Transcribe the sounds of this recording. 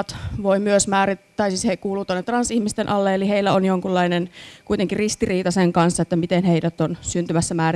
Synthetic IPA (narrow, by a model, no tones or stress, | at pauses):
t̪ʋoimyøsmæːɾit̪ːæisiːshekuːlːˑuːt̪onːet̪rɑnsihmist̪enʔɑlːeeliheilːæonjoŋkulːɑinenkuit̪eŋkirist̪iriːt̪ɑseŋkɑnsːɑet̪ːæmit̪enheidæt̪onsynt̪ymæsːæmæːr